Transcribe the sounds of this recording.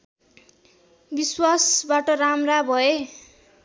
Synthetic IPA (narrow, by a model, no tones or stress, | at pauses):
biswasbaʈʌramrabʱʌe